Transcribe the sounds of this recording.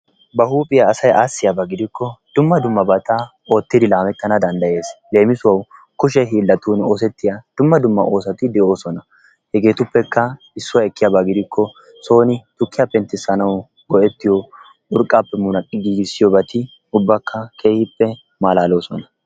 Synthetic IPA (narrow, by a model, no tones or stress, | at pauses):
bɐhuːpʼɪjaːsɐjʔaːsːɪjabɐɡɪd̪ɪkːɔd̪̥ʊmːɐd̪ʊmːɐbɐt̪ɐ | oːt̪ːɪd̪ɪlaːmɛt̪ːɐnɐd̪ɐnd̪ɐje̞ːsle̞ːmɪsʊwɐw | kʊʃ̬ɛɦiːlːɐt̪uːnoːs̬ɛt̪ːɪjad̪̥ʊmːɐd̪ʊmːɐ̰ʔo̞ːsɐt̪ɪd̪ɛʔo̞ːsɔnɐ | hɛɡe̞ːt̪ʊpːɛkːɐ | ɪsːʊwɐɛkːɪjaːbaɡɪd̪ɪkʰːɔ | so̞ːnɪt̪ʊkːɪjapːɛnt̪ːɪsːɐnɐw | ɡɔɛt̪ːɪjɔ | ʊɾkʼːaːpːɛmʊnɐkʼːɪɡiːɡɪsːɪjɔbɐt̪ɪ | ʊbːɐkːɐkʰe̞ːhɪpːɛ | maːlaːlo̞ːsɔnɐ